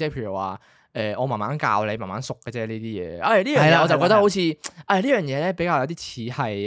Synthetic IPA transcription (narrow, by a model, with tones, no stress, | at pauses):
t͡sɛː˥˩pʰeː˧˩ɥy˨˩wa̰ː˨˩ | ʔɛː˨ɔː˨˧maː˨˩maː˨˥nka̰ː˧wle˨˧maː˨˩maː˨˧˥nsʊ˨kːəː˧t͡sɛː˥liː˥t̪iː˥jɛ̰ː˨ɐ˧˩jliː˥jœː˨ɐ˨jlaː˧ɔː˨˧t͡sɐ˨wkɔː˧t̪ɐ˥ho˨˥wt͡sʰiː˧ʔɐ˧˩liː˥jœː˨ŋjɛː˨˧lɛː˥pe˨˥jkaː˧jɐ˧t̪iː˥t͡sʰiː˨˧hɐ˨j